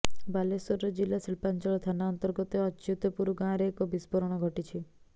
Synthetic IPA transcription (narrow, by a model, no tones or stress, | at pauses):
balesɔɾɾɔd͡ʒilasiɭpant͡ʃɔɭɔt̪ʰanaɔnt̪ɔɾɡɔt̪eɔt͡ʃut̪ɔpuɾuɡãɾeːkɔbispɔɾɔɽ̃ɔɡʱɔʈit͡ʃʰi